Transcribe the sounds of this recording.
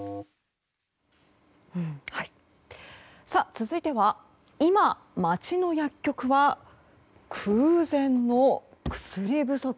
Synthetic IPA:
ɯ̟̃ɴhai | sat͡sɨzɨit̪e̞βa | ima | mat͡ɕino̞jakʲːo̞kɯ̟βa | kʰɯːzẽ̞nːo̞ | kɯ̟̥sɨɾʲibɯ̟so̞

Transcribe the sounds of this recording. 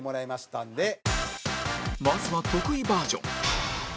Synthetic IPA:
mo̞ɾaimaɕi̥t̪ãnd̪e̞ | masɨβat̪o̞kɯ̟ibaːd͡ʑõ̰ŋ

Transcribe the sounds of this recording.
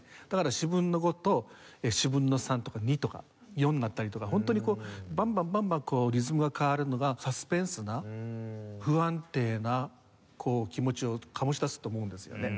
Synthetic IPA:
d̪̥akaɾaɕibɯ̟̃nːo̞ɡo̞t̪o̞ | eɕibɯ̟̃nːo̞sãnt̪okaɲ̟it̪o̞ka̰ | jõ̞nːat̪ːaɾʲit̪o̞kaɦõ̞nt̪oɲ̟iko̞ːbãmbãmbãmbãŋko̞ːɾʲizɨmɯ̟ɡakʰaaɾɯ̟no̞ɡasasɨ̥pẽ̞ɰ̃sɨna | ɸɯ̟ãnt̪e̞ːna | kʰo̞ːkʲimo̞t͡ɕio̞kʰamo̞ɕid̪asɨ̥t̪o̞ːmo̞ɯ̃nd̪e̞sɨjo̰ne̞

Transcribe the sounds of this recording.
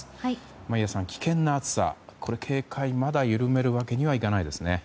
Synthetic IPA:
maijasãŋkʲi̥kẽ̞nːaːt͡sɨ̥sa̰kʰo̞ɾe̞kʰe̞ːkʰaimad̪ajɯ̟ɾɯ̟me̞ɾɯ̟βake̞ɲ̟iβaikanaid̪e̞sɨne̞

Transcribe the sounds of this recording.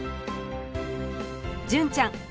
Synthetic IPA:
ɦd͡ʑənt͡ɕaŋ

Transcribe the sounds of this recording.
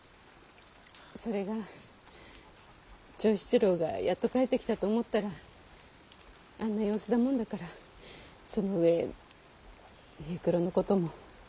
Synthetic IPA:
so̞ɾe̞ɡa | t͡ɕo̞ːɕi̥t͡ɕiɾo̞ːɡa̰jʔat̪ːo̞kaet̪ːe̞kʲi̥t̪at̪o̞ːmo̞t̪ːaɾa | anːajo̞ːsɨd̪amõ̞nd̪akaɾa | so̞no̞ɯ̟e̞ | heːkɯ̟ɾo̞no̞ko̞t̪o̞mo̞

